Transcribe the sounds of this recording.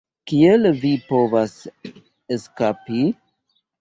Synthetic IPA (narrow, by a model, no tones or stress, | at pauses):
kielvipo̞vas | eskapi